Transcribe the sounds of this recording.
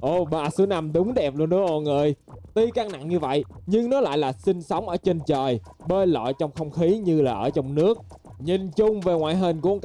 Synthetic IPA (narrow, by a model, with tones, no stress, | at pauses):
ʔo˧˩ɓaː˨˩sɨ˨˦əna˧mɗʊ˨˦wŋ͡mɗɛ˨˩p̚lu˧ənʔɨ̰˧˦əʔo˧˨ŋɨː˨˩jt̪i˧kaː˧kna̰˧˨ŋɲɨ˧və̰˧˨jɲɨ˧ŋnɔ˨˦la̰ː˧˨jlaː˨˩sï˧ŋ̟sə˨˦wŋ͡mʔəː˧˩t͡ɕe˧nt͡ɕəː˨˩j | ɓe˧lɔ̰˧˨jt͡ɕɔ˧wŋ͡mxə˧wŋ͡mxi˨˦ɲɨ˧laː˨˩ʔəː˧˩t͡ɕɔ˧wŋ͡mnɨ˦˥ək̚ | ɲi˨˩nt͡ɕʊ˧ŋ͡mve˨˩ŋwa̰ː˧˨jɦə˧˩nku˨˦əŋk